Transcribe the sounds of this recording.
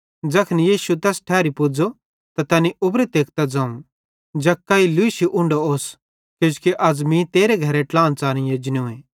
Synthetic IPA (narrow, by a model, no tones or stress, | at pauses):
d͡ʒɐkʰnijiːʃut̪ɛːsʈʰɛːɾipʊd͡zo | t̪at̪ɐːniʔʊbɾit̪eːk̚ʰt̪ad͡zãːũ | d͡ʒɐkːailʊiʃiʔʊ̃ɳɖooːs | kod͡ʒkeʔɐd͡zmĩt̪eːɾeɡʱɐɾeʈlãːnt͡saːñĩjed͡ʒnõẽː